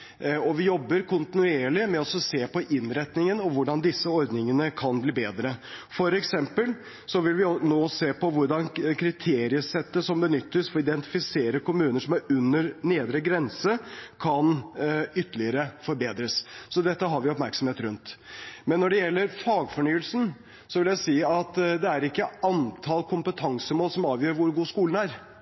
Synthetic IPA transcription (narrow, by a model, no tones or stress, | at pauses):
ɔʋɪjɔbːəɾkʰʊnt̪ɪnʉeːɭɪmɛɔsɔseːpɔʔɪnɾɛt̪nɪŋənɔʋʊɖɑnd̪ɪsːəɔɾd̪nɪŋənəkʰɑnbliːbeːd̪ɾəfɔɾɛksɛmpəl | sɔʋɪlʋɪnoːseːpʰɔʋʊɖɑnkʰɾɪt̪ʰeːɾɪəsɛt̪ːəsɔmbənʏt̪ːəsfɔɪd̪ɛnt̪ɪfɪseːɾəkʊmʉːnəʂɔmæɾʉnːəɾneːd̪ɾəɡɾɛnsəkʰɑnʏt̪ːəlɪəɾəfɔɾbeːd̪ɾəssɔd̪ɛt̪ːəɦɑɾʋɪɔpmæɾksɔmheːt̪ɾʉnt̪mɛnːɔɖɛjɛlːəɾfɑːɡfɔɳyːəlsn̩ | sɔʋɪljæɪsiːɑt̪d̪ɛæɾɪkːəɑnt̪ʰɑlkʰʊmpət̪ʰɑŋsəmoːlsɔmɑːʋjøːɾʋʊɾɡuːskuːln̩æɾ